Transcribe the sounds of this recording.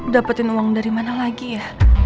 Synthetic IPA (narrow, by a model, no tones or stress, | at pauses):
dapət̪ɪnuwaŋdaɾimanalaɡijah